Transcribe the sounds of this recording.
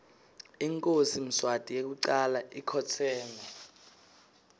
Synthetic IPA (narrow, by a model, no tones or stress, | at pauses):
iŋkʼosim̩swatʼijek̬uǀalaikʰɔtʰɛːmɛ